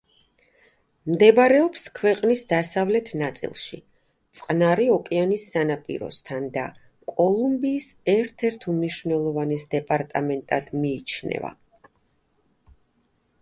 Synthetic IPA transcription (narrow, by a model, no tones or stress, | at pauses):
md̪ɛbaɾɛɔpskʰwɛqʼnisd̪asavlɛt̪ʰnat̪sʼḭlˠʃḭ | t̪sʼqʼnaɾiɔkʼɛanisːanapʼḭɾɔ̰st̪ʰand̪a | kʼɔlˠumbiːsɛɾt̪ʰɛɾt̪ʰumniʃvnɛlˠɔvanisd̪ɛpʼaɾt̪ʼamɛnt̪ʼad̪̥miːt͡ʃʰnɛ̰va̰